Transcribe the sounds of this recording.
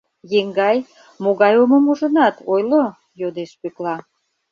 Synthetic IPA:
jeŋɡɑj | moɣɑjomomuʒə̆nɑt̪ojlo | jod̪eʃpøklɑ

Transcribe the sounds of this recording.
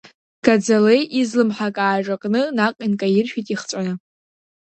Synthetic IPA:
ɡ̥ad͡zalejʔizlɨmħakʼaːʒakʼnɨnaqʼinkʼajɪrʃᶣitʼiχt͡sʷʼanɨ

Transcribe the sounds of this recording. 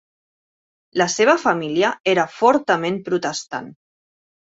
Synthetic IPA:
ləseβ̞əfamiliəeɾəfɔɾt̪əmempɾut̪əst̪a̰n

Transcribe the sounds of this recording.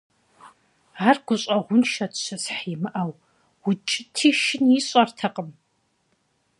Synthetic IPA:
aːrɡ̥ʷʊɕʼɐʁʷʊnʃɐtʰɕɐsħimɨʔɐw | wʊt͡ʃʼɪtʰiːʃɪniɕʼɐrtʰɐqʼəm

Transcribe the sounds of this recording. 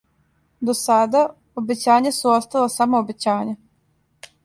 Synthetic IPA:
d̪osad̪a | obe̞t͡ɕaːɲasuost̪alesamoːbet͡ɕaːɲa

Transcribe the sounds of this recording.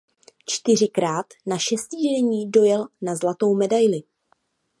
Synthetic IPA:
t͡ʃt̪ɪr̝ɪkɾaːt̪naʃɛsciːʒɛɲiːdo̞jɛlnazlat̪o̞wmɛdajlɪ

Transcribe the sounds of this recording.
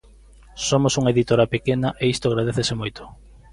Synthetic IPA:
somosuŋɐeðit̪oɾɐpekenɐʔeist̪oaɣɾað̞eθesemojt̪o̥

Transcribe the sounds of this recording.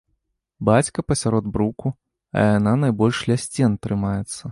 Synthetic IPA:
bat͡sʲkɐpɐsʲaɾɔd̪bɾuku | ɐ̰jananajbɔlʲʂlʲasʲt͡sʲɛnt̪ɾɨmajɛt̪sːɐ

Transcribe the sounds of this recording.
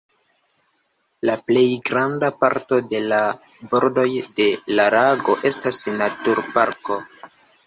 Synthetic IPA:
laple̞jɡɾandapaɾto̞de̞la | bo̞ɾdo̞jde̞laɾaɡo̞ʔe̞stasnatuɾpaɾko̞

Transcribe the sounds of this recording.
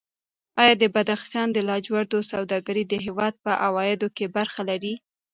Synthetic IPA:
ɑjɑd̪əbad̪axt̪jɑnd̪əlɑd͡ʒwaɾd̪osawd̪ɑɡaɾid̪əɦewɑd̪̚pəʔawɑjɪd̪okebaɾxalaɾi

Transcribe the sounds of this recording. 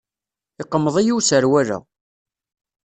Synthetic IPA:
ɪqːəmːəðˤijiwsəɾwæɾæ̰

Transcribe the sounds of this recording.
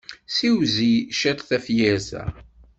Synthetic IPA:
siwziʃæt̪θæfjæzæ̰

